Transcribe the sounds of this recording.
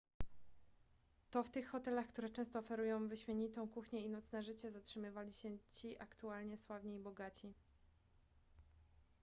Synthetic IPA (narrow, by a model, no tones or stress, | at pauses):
t̪ɔft̪ɘxːɔt̪ɛlaxkt̪uɾɛt͡ʂɛ̃st̪ɔːfɛɾujɔ̃w̃vɘɕmʲjɛɲit̪ɔ̃w̃kuxɲɛinɔt̪snɛʐɘt͡ɕɛzatʂɘmɘvalʲiɕɛt͡ɕiʔakt̪ualɲɛswavɲiibɔɡat͡ɕi